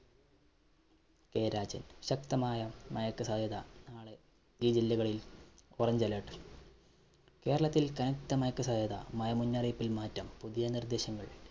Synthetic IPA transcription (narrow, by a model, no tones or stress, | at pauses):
keːɾaːd͡ʑɐnɕɐkt̪ɐmaːjɐmɐjɐkːɨsad̪ʱjɐðɐnaːɭe | d͡ʑid͡ʑilːiɣɐɭilorɐɲd͡ʑɐleːʈːɨ̥ | ke̞ːɾɐɭɐt̪ːilkɐnɐkt̪ɐmɐjɐkːɨsaːd̪ʱjɐðɐ̰mɐjɐmunːɐrijpːilmaːtːɐmpuðijɐnird̪e̞ːɕɐŋːɐɭ